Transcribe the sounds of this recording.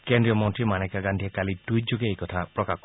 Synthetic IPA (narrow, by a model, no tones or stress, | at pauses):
kend̪ɾiɔmɔntɾimañejkaɡand̪ʱiekalidujd͡ʒuɡeejkɔt̪ʰapɾɔkak